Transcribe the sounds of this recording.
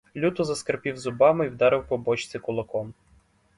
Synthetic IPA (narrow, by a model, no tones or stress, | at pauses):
lʲut̪ʊzɐskɐrpʲiwzʊbɑmɪiwd̪ɑɾɪwpɔbɔt͡ʃt͡sʲɪkʊlˠɐkɔm